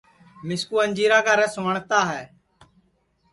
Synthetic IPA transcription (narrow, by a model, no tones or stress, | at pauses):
mɪskuːənʲd͡ʒiːɾaːkaːɾɛːsʊʋəɳt̪aːɦɛː